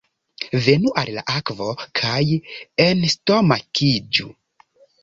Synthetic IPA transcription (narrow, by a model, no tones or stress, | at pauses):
venuʔalla̰ʔakvo̞kʰajensto̞makʰid͡ʒṵ